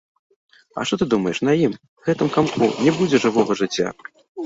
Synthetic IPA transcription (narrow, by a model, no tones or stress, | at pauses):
ɐ̰ʂt̪ɔt̪ɨd̪umɐjɛʂnɐjim | ɣɛt̪ɨmkamkʰunʲɛbud͡zʲɛʐɨvɔɣɐʐɨt͡sʲːa̰